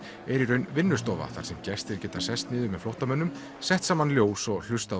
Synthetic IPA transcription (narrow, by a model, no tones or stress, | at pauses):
ɛɾiɾœɥnvɪnːʏst̪ɔːva̰θa̰ɾ̥sɛmcɛst̪ɛɾ̥cɛːt̪ḁsɛst̪nɪːðʏmɛðflowht̪amœnːʏm | sɛht̪saːmanljoːwsɔɣl̥ʏst̪a